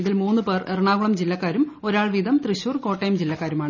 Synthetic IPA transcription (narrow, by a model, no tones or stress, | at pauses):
iðilmuːnːɨpeːrerɳaːɡuɭɐmd͡ʑilːɐkːaːɾumo̞ɾaːɭʋid̪ʱɐmt̪riɕuːrko̞ːʈːɐjmd͡ʑilːɐkːaːɾumaːɳɨ